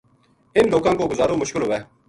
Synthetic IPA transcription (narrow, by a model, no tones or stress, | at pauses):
ɪnloːkãːkoːɡʊzaːɾoːmʊʃkɪlɦoːʋɛː